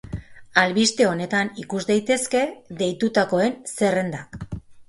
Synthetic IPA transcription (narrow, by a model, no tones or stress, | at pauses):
alβist̪e̞o̞ne̞t̪anikuzd̪ajt̪e̞ske̞ðe̞jt̪ut̪ako̞e̞nse̞re̞nd̪ak